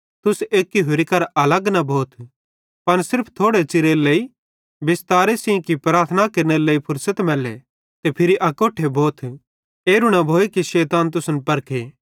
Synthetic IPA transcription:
t̪ʊseːkːiɦʊɾikɐɾɐləɡnabʱoːt̪ʰ | pɐnsɪɾpʰt̪ʰoːɽet͡ʃɪɾeleːi | bɪst̪aːɾesĩkipɾaːɾt̪ʰənakɐɾneleːipʰʊɾsət̪mɛːlḛ | t̪epʰɪɾiʔɐkoːʈʰːeboːt̪ʰ | eːɾʊɽ̃abʱoːekiʃɛːt̪aːnt̪̬ʊsnpɐɾkʰeː

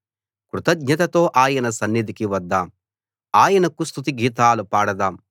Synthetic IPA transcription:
kɾut̪ɐɡɲɐt̪ɐt̪o̞ːʔaːjɐnɐsɐnːid̪ikiʋɐd̪ːaːm | aːjɐnɐkust̪ʰut̪iɡiːt̪aːlupaːɽɐd̪aːm

